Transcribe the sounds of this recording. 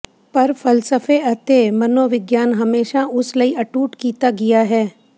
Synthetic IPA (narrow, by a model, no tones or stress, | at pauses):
pɐɾfɐlsəfeɐt̪emɐnoːʋɪɡjaːnɦɐmeːʃaʊslɐiɐʈuːʈkiːt̪aɡɪjaɦɛː